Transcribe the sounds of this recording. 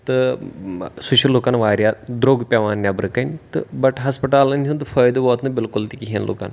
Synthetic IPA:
t̪ɨ | sʊʃiloːkaːnʋaːɾʲjaːd̪ɾoːɡpʲaʋaːnːʲabɾɨkɐnt̪ɨbɐʈɦɐspɐʈaːlɐnʲunt̪ɨfɐːjd̪bɔːt̪nɐbɪlkʊlt̪ikiɦɐnlʔo̰ːka̰ːn

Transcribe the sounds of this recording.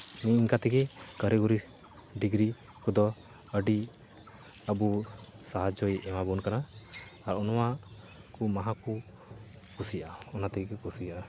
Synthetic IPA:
niiŋkat̪ɛɡɛkəɾɛɡuɾi | ɖiɡɾi | kɔd̪ɔ | əɖi | əbu | saɦad͡ʒɔjɛmabunkanaːɾɔnɔwa | kumaɦaku | kusijʔaɔnat̪ɛɡɛkɛkusijaʔa

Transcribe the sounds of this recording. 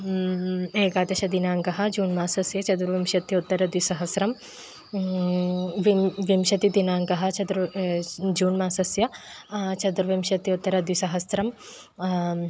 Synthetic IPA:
eːkaːt̪ɐʃɐd̪inaːŋɡɐɦɐ̆d͡ʒuːnmaːsɐsjɐt͡ʃɐd̪uɾʋimʃɐt̪jiut̪ːɐɾɐd̪wisɐɦɐsɾɐm | ʋiʋimʃɐt̪id̪inaːŋɡɐɦɐt͡ʃɐd̪ɾ | d͡ʒuːnmaːsɐsjɐt͡ʃɐd̪ɾʋimʃɐt̪jut̪ːɐɾɐd̪wisɐɦɐsɾɐm

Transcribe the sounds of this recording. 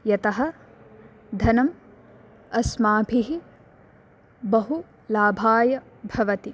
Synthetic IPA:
jɐt̪ɐɦɐ̆ | d̪ʱɐnɐm | ɐsmaːbʰʱiɦi | bɐɦu | laːbʱaːjɐ | bʱɐʋɐt̪i

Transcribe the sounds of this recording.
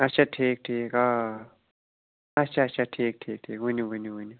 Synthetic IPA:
ɐtt͡ʃʰaʈʰiːk̚ʈʰiːka | ɐt͡ʃʰaɐtt͡ʃʰaʈʰiːk̚ʈʰiːk̚ʈʰiːkɦuniɦuniɦuni

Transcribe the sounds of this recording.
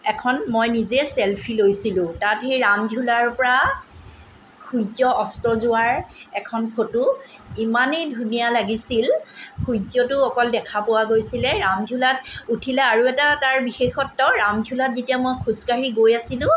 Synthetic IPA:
ɛkʰɔnmɔjnizɛsɛlpʰilojsilʊ̃tatɦejɹamd͡ʒʱulaɹpɔɹa | xujd͡ʒɔʔɔstɔzʊwaɹɛkʰɔnkʰotʊ | imanejdʱunijalaɡisilxʰujd͡ʒɔtʊɔkɔldɛkʰapowaɡojsilɛɹamdʱulatutʰilɛaɹuɛtataɹbixexɔtːɔɹamd͡ʒʱulatzetijamojkʰuskaɹiɡojasilʊ̃

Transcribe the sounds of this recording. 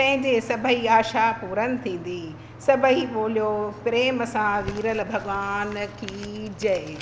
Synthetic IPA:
pɐ̃ɦɪ̃ɲd͡ʑeːsɐbʱəiaːʃapuːɾənɪ̆t̪ʰĩːn̆d̪i | sɐbʱəiɓoːlijopɾeːmɐsãʋiːɾəlbʱɐɠʋaːnkʰiːd͡ʑɐe

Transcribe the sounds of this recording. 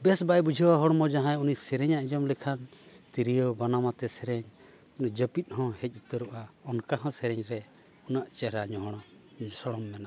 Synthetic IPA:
bɛsbajbud͡ʒʱɛwaɦɔɽmɔd͡ʒaɦãjunisɛɾɛɲaʔid͡ʒɔmlikʰant̪iɾijɔbanamat̪ɛsɛɾɛɲ | unid͡ʒəpit̪̚ˀhɔ̃hɛc̚ˀut̪əɾuʔaɔnkaɦɔ̃sɛɾɛɲɾɛ | ɔnaʔt͡ʃɛɾaɲɔɦɔɽ̃a | sɔɽɔmːɛnaʔ

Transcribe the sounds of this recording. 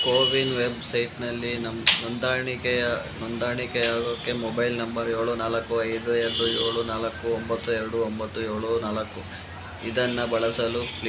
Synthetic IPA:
koːʋinʋe̞bsɐjʈnɐlːinɐmnɔnd̪aːɳikɛjɐnɔnd̪aːɳikɛaːɡokːemɔbɐjlnɐmbɐɾjo̞ːɭunaːlɐkːuɐjd̪ueɾɐɖujoːɭunaːlɐkːuombɐt̪ːuɛɾɐɽuombɐt̪ːujoːɭunaːlɐkːu | id̪ɐnːɐbɐɭɐsɐlupl

